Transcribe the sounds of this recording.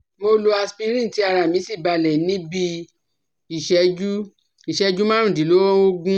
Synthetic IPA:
mo˧lo˧a˧spi˧ɾĩ˦n̩˨ti˨˦a˧ɾa˧˨mĩ˨˦si˦˨ba˧lɛ˨˦nĩ˨˦bi˧ | i˦˨ʃɛ˧˦d͡ʒu˦ | i˨ʃɛ˧˦d͡ʒu˦mã˦ɾũ˨di˨˦lo˨˦ɔ̃˦o˦ɡũ˦

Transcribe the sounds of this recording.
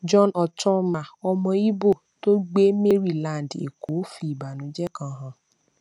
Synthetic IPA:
d͡ʒɔ˦nɔ˨tɔ̃˦mã˨ɔ˧mɔ̃˧i˦bo˦˨to˦ɡ͡be˦me˦ɾi˦˨lã˦˨n˨dḛ˨ko˨˦fi˧i˨ba˨nũ˨˦d͡ʒɛ˦kã˧ɦã˧

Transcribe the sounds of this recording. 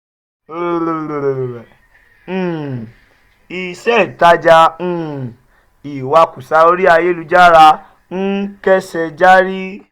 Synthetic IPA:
o˦˧o˧ɾo˧˨ɾo˨ɾo˨ɾɛ̃˨ | i˨sɛ˦˨ta˧d͡ʒa˧ñ̩˦˨ | i˨wa˧ku˨sa˧o˧ɾi˦a˧je˦lu˧d͡ʒa˦˨ɾa˧ | n̩˦kɛ˦sɛ˧d͡ʒa˦ɾi˦

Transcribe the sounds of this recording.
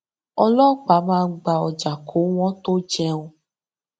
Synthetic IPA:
ɔ˧lɔ˦k͡pa˨˦mãː˦˧ɡ͡ba˧ɔ˨d͡ʒa˨kʰo˨˦w̃ɔ̃˦t̪o˦d͡ʒɛ̃˧o˨

